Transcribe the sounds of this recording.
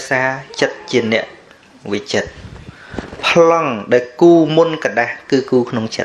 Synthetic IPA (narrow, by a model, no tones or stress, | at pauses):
saːt͡ɕət̪̚t͡ɕiənɛ̆əʔ | ʋɨc̚t͡ɕət̪̚ | pʰlɑŋɗaɔlkuːmunkaɗahkɨːkuːkʰnoŋt͡ɕə̰t̪̚